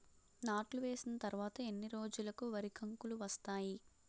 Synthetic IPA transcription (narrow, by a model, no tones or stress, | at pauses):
naːʈluʋe̞ːsinɐt̪ɐɾuʋaːt̪ɐe̞nːiɾo̞ːd͡ʒulɐkuʋɐɾikʰɐŋkuluʋɐst̪aːji